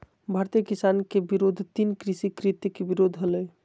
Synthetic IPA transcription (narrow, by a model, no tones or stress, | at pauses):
bʱaːɾt̪ikisankebiɾoːd̪ʱt̪inkɾisikɾit̪jkebiɾod̪ʱɦələ